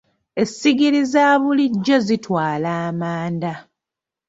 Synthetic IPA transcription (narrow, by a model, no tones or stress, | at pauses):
e̞siɡiɾizaːβuliɟːo̞zitwaːlaːmaːnda